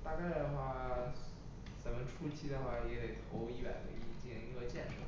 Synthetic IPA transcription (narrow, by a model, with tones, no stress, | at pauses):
t̪a˥˩ka˥˩d̪ə˩xwa˥˧ | t͡sə˧˥nmə˧nʈ͡ʂʰu˥t͡ɕʰi˥d̪ə˨˩xwa˥˩jɛ˧˥kʰə˧˩t̪ʰo˧˥ʊi˥˩wa̰˨˩nd̪ə̰˧˥i˥˩˨t͡ɕi˥ŋ˧˩i˧˥ŋɡə˧t͡ɕjɛ˥˩nʈ͡ʂʰə˧˩˦